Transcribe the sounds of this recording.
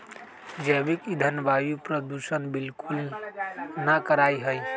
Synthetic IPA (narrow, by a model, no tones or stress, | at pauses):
d͡ʒɛbikid̪ʱənjəbajupɾəd̪usənbilkul | nakəɾajɦəj